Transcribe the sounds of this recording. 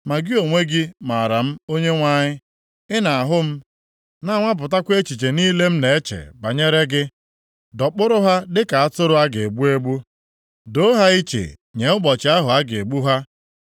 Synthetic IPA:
ma˨ɡɪ˦o˨ŋʷe˦ɡɪ˦ma˨ɾa˨m̩˦o˦ɲe˦ŋʷa˦ɲɪ˦ | ɪ˦na˨a˨ɦʊ˦m̩˦ | na˦ŋʷa˦p̬ʊ˨ta˦kʷe˦t͡ʃi˨t͡ʃe˨niː˦le˦m̩˦ne˨e˦t͡ʃḛ˨ba˨ɲe˦ɾe˦ɡɪ˦ | dɔ˨k͡pʊ˦ɾʊ˦ɦa˦dɪ˦ka˨a˦tʊ˦ɾʊ˦a˦ɡe˨e˨ɡ͡bu˦e˦ɡ͡bu˦ | do˦ɦa˦i˦t͡ʃḛ˨ | ɲe˨˦ʊ˦ɡ͡bɔ˨t͡ʃɪ˨˦a˦ɦʊ˨a˦ɡɪ˨e˨ɡ͡bu˦ɦa˦

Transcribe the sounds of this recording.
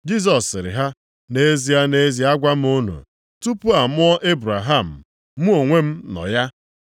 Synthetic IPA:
d͡ʒi˦s̬ɔ˨sɪ˨ɾɪ̰˨ɦa˦ | ne˦zi˨a˦ne˦zi˨a˦ɡʷa˦m̩˦o˦nṵ˨ | tu˦pu˦a˨mʊ˦ɔ˦ʔe˦bɾa˨ɦa˦˨m̩˨ | mu˦o˨ŋʷe˦m̩˦nɔ̰˨ja˦

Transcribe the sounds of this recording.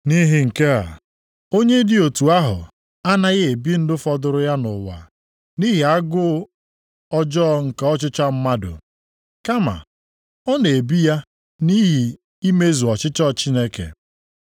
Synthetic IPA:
ni˦ɦi˦ŋ̩˨ke˦a̰˨ | o˦ɲe˦dɪ˦o˨tu˨a˦ɦʊ̰˨ | a˦na˦ɣɪ˦e˨bi˦n̩˦dʊ˦fɔ˦dʊ˨ɾʊ˦ja˦nʊ̰˨wa̰˨ | ni˦ɦi˨a˦ɡʊ˦ | ɔ˦d͡ʒɔ˦ŋ̩˨ka˨ɔ˦t͡ʃɪ˦t͡ʃa˦m̩˦ma˦dʊ̰˨ | ka˦ma̰˨ | ɔ˦ne˨e˨bi˦ja˦ | ni˦ɦi˨ | i˦me˦zu˨ɔ˨t͡ʃɪ˦t͡ʃɔ˦˨t͡ʃi˦ne˦kḛ˨

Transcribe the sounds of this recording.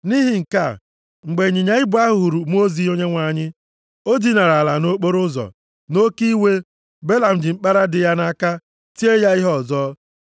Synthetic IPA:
ni˦ɦi˨ŋ̩˨ka˦˨ | ŋ͡m̩˨ɡ͡be˨ɲɪ˨ɲa˨ɪ˦bʊ˦a˦ɦʊ˨u˨ɾu˨m˦o˦zi˨o˦ɲe˦ŋʷa˨ɲɪ˦ | o˦di˦na˨ɾa˨la˨no˦k͡po˦ɾʊ˦zɔ̰˨ | no˦ki˦we˦ | be˦la˨m̩˨d͡ʒɪ˨ŋ͡m̩˦k͡pa˦ɾa˦dɪ˨ja˦na˦ka˦ | ti˦e˦ja˦i˦ɦɔ˦˨zɔː˦

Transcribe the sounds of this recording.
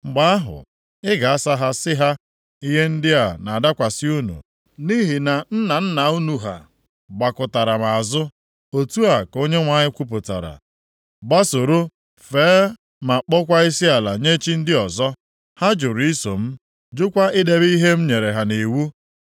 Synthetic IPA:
ŋ͡m̩˨ɡ͡ba˦a˦ɦʊ̰˨ | ɪ˦ɡa˨a˦sa˦ɦa˦sɪ˦ɦa˦ | i˦ɦe˦n̩˦dɪ˦a˨na˨da˦kʷa˨sɪ˦u˦nṵ˨ | ni˦ɦi˨na˨n̩˦na˨n̩˦na˨u˦nu˨ɦa̰˨ | ɡ͡ba˨kʊ˨ta˨ɾa˨ma˨a˨zʊ˦ | o˨tu˦a˨ko˦ɲe˦ŋʷa˦˨ɲɪ˦kʷu˦p̬ʊ˨ta̰˨ɾa̰˨ | ɡ͡ba˦so˨ɾo˦ | feː˨˦ | ma˨k͡pɔ˦kʷa˦i˦si˦a˨la˨ɲe˦t͡ʃi˦n̩˦dɪ˦ɔ˨zɔ˦ | ha˦d͡ʒʊ˨ɾi˦so˨m̩˦ | d͡ʒʊ˦kʷa˦ʔɪ˦de˦bi˦ɦe˦m̩˦ɲe˨ɾe˨ɦa˨ne˨wu˦

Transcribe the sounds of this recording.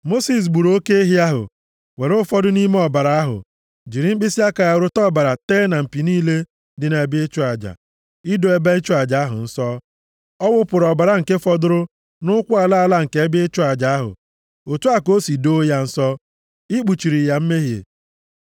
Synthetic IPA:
mo˦si˨s̬ɡ͡bu˨ɾo˦ke˦e˦ɦi˦a˦ɦʊ̰˨ | we˨ɾʊ˦fɔ˦dʊ˦ni˦me˦ɔ˨ba˨ɾa˨a˦ɦʊ̰˨ | d͡ʒi˨ɾi˨m̩˦bɪ˦si˦a˦ka˨ja˨ʊ˨ɾʊ˦tɔ˦˨ba˨ɾa˨teː˦na˨m̩˨pi˨niː˦le˦ | dɪ˨ne˨bɪ˦e˦t͡ʃʊ˦a˨d͡ʒa̰˨ | ɪ˦do˨e˦be˦t͡ʃʊ˦a˨d͡ʒa˨a˦ɦʊ̰˨n̩˦sɔ˦ | ɔ˦wʊ˦pʊ˨ɾɔ˨ba˨ɾa˨ŋ̩˨ke˦fɔ˦dʊ˦ɾʊ˦ | nʊ˦kʷʊ˦a˨la˦a˨la˦ŋ̩˨ke˨˦bɪ˦e˦t͡ʃʊ˦a˨d͡ʒa˨˦a˦ɦʊ̰˨ | o˨tu˦a˦ko˦si˨do˦ja˦n̩˨sɔ˦ | i˦k͡pu˨t͡ʃi˨ɾi˨ja˨m̩˦me˦ɦjḛ˨

